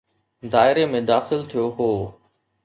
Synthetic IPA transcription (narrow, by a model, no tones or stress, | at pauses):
d̪aːɪɾemẽd̪aːxɪlt̪ʰijoɦoː